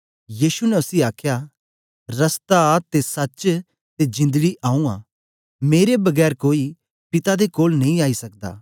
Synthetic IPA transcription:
jiːʃunɛʊsiaːkʰja | ɾɐst̪at̪esɐt͡ʃ | t̪ed͡ʒɪ̃nd̪ɽiʔaːũã̰ː | meːɾebɐɡɛːɾkoːi | pɪt̪ad̪ekoːlnɐɦĩaːisɐk̚d̪a̰ː

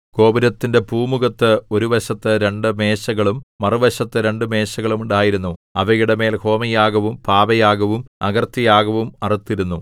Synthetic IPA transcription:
ko̞ːbiɾɐt̪ːinde̞puːmuɣɐt̪ːɨo̞ɾuʋɐɕɐt̪ːɨɾe̞ɳɖɨme̞ːɕɐɣɐɭumːɐruʋɐɕɐt̪ːɨɾe̞ɳɖɨme̞ːɕɐɣɐɭumuɳɖaːjiɾunːuɐʋɐjuɽeme̞ːlho̞ːmɐjaːɣɐʋumpaːʋɐjaːɡɐʋumɐɡɐrt̪ːijaːɣɐʋumɐrit̪ːiɾunːu

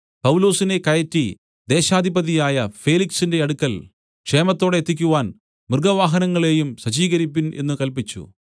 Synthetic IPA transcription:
pɐwlo̞ːsine̞kɐjɐtːi | d̪e̞ːɕaːd̪ʱibɐðijaːjɐfeːliksinde̞ɐɽukːɐl | kʂe̞ːmɐt̪ːo̞ːɽeet̪ːik̬ʲːuʋaːn | mɨrɡɐʋaːɦɐnɐŋːɐɭe̞ːjumɕɐt͡ɕiːɣɐɾip̬ːine̞̰nːɨkɐlpit͡ɕːṵ

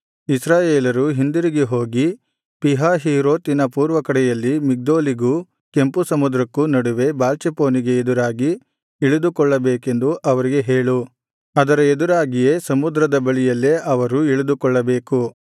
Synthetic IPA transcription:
isɾaːjeːlɐɾuɦind̪uɾiɡeɦo̞ːɡi | piɦaːɦiːɾoːt̪inɐpuːɾʋɐkɐɽɛjɐlːimiɡ̚d̪o̞ːliɡu | ke̞mpusɐmud̪ɾɐkːunɐɽuʋe̞baːlt͡ʃepo̞ːniɡe̞ed̪uɾaːɡi | iɭud̪ukɔɭːɐbeːke̞nd̪uʔɐʋɐɾiɡe̞ɦeːɭu | ɐd̪ɐɾɐed̪uɾaːɡijesɐmud̪ɾɐd̪ɐbɐɭijɐlːeʔɐʋɐɾuiɭud̪ukɔɭːɐbeːku

